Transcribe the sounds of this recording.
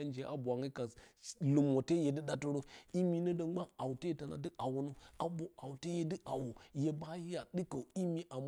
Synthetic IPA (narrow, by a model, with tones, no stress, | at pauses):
a˦nd͡ʒe˨˦ʔa̰˨bʷa˨ŋa˦ka˨slu˨mwo˨te˦je˨dɨ˦ɗa˦to˦ɾo˦i˦mi˦nə˦do˦ɡ͡ba˦a˨wte˦ta˨na̰˨dɨ˦ʔa˨wo˨no˦a˨bo˦ʔa˨wte˦je˦dɨ˦ʔa˨wo˨je˦ba˦ji˦ja˨ɗɨ˦ka˨i˦mi˦ʔa˨m